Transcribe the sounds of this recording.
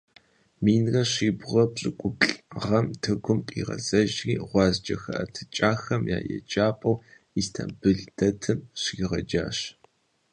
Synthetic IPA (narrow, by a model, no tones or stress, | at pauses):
miːnrɐɕiːbʁɐpɕʼɨkʷʼʊbɬʼʁɐmtʰɨɡʷʊmpʼḭːʁɐ̰zɐʒriːʁʷɑːzd͡ʒɐxɐʔɐtʰɨt͡ʃʼaːxɐmja̰ːjɛ̰t͡ʃʼaːpʼɐw | istʰɐ̰mbɨɮdɐtʰɨmɕiːʁɐd͡ʒa̰ːɕ